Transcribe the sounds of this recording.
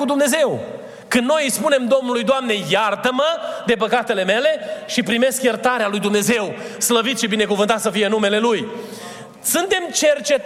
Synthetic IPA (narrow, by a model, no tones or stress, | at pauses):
ud̪umne̞ze̞w | kɨnno̞jspune̞md̪o̞mnulujd̪oamne̞jart̪əməd̪e̞pəkat̪e̞le̞me̞le̞ʃipɾime̞skjert̪aɾealujd̪umne̞ze̞w | sləvit̪ʃibine̞kuvɨnt̪at̪səfijenume̞le̞luj | sɨnt̪e̞mt͡ʃe̞rt͡ʃe̞